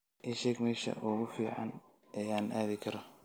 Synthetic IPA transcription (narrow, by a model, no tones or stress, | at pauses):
ʔɪʃɛɡmɛːʃɐ̰ʔʊɣʊfiːʕɑ̰n | ʔɛːaːnʔaːðɪkʰɐɾɔ